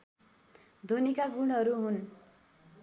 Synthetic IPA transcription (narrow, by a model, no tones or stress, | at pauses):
d̪ʱonikaɡuɽ̃ɦʌɾuɦun